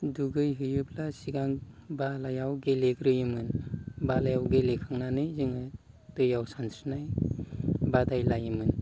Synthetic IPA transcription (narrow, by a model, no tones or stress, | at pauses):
duɡɯjɦɯjɯplasiɡaŋbalajawɡelekɾɯjɯmɯnbalajawɡelekʰɯŋnanɯjzɯŋɯ | tɯjawsantʰɾnaj | badajlajɯmɯn